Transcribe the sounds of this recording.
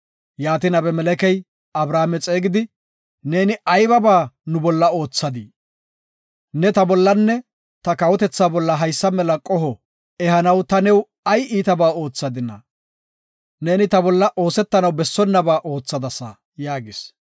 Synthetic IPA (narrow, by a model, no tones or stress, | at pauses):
jaːt̪ɪnɐbɛmɛlɛkɛj | ɐbɾaːmɛt͡sʼe̞ːɡɪd̪ɪ | ne̞ːnɪʔɐjbɐbaːnʊbɔlːɐo̞ːt͡sːɐd̪i | nɛt̪ɐbɔlːɐnːɛ | t̪ɐkɐwɔt̪ɛt͡sːaːbɔlːɐɦɐjsːɐmɛlɐkʼɔɦɔ | ɛɦɐnɐwt̪ɐnɛw | ɐjiːt̪ɐbaːo̞ːt͡sːɐd̪ɪnːɐ̰ | ne̞ːnɪt̪ɐbɔlːɐʔo̞ːsɛt̪ːɐnɐwbɛsːɔnːɐbaːʔo̞ːt͡sːɐd̪ɐsɐ | jaːɡɪs